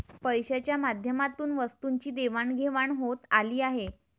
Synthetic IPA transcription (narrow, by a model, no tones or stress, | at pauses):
pəjɕat͡ɕjamad̪ʱjəmat̪uːnʋəst̪uɲt͡ɕiːd̪eʋaɳɡʱeʋaɳɦot̪aliːaɦe